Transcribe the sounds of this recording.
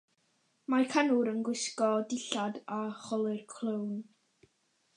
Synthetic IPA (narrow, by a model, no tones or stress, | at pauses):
makʰanʊɾənɡwɪskɔdɪɬadaχɔlˠɨrkʰl̥ˠown